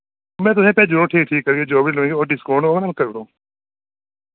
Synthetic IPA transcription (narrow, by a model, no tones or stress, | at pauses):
mɛ̃ːt̪ʊsẽːpɛːd͡ʒʊɾõːʈʰiːk̚ʈʰiːkːəɾɡeːd͡ʒoːbiləũːɡeoːɖɪskoːɳoːnaːlkəɾɽõː